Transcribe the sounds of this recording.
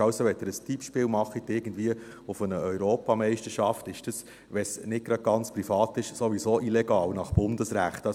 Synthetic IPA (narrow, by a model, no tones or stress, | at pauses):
ɑlsoʋɛt̪ːəɾəstʰipʃpɪːlmɑχit̪ɪɡ̥ən̩dviə | ʊfənəœʏɾoːpɑmɛɪʃtəʃɑftɪʃd̥əs | ʋɛsnɪɡ̚ɡ̥ɾɑd̚ɡɑnt͡spɾifɑːt̪ɪʃsoʋisoːʔilɛɡɑːlnɑχb̥ʊnd̥əsɾæχtɑ